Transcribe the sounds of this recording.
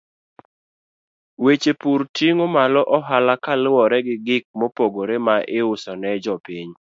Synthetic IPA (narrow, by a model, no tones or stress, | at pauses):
wet͡ʃepuɾtjeŋomalɔʔɔɦalakalwɔɾɛɡɪɡɪk̚mopoɡoɾemaʔɪʊsɔnɛd͡ʒɔpiɲ